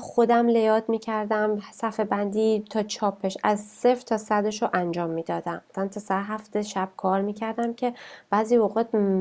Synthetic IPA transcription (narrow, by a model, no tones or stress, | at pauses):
xod̪æmle̞jɒːt̪miːcʰæɾd̪æmsæfebænd̪iːt̪ʰɒːt͡ʃʰɒːpʰe̞ʃæzseft̪ʰɒːsæd̪eʃoʔænd͡ʒɒːmːiːd̪ɒːd̪æmt̪ʰænt̪ʰɒsæɾɦæft̪eʃæb̥̚kʰɒːɾmiːcʰæɾd̪æmcʰe̞b̥æːziːvoɣɒːt̪̚